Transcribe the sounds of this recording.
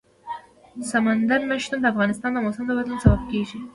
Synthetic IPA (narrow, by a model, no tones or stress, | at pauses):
samand̪aɾməʃt̪umd̪əafɣɑnɪst̪ɑnd̪əmosɪmd̪əwat̪lunsabab̚keʒi